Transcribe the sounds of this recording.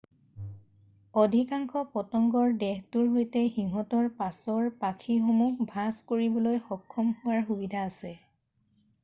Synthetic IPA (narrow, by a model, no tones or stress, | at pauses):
odʱikaŋkʰɔpɔtɔŋɡɔɹdɛxtʊɹɦojtɛxiŋɦɔtɔɹpasɔɹpakʰixomukbʱaskoɹibɔlojxɔkʰːɔmhʊwaɹxubidʱaːsɛ